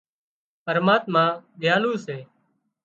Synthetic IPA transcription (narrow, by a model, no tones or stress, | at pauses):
pəɾmaːt̪mãːɗ̪ɪjaːluːseː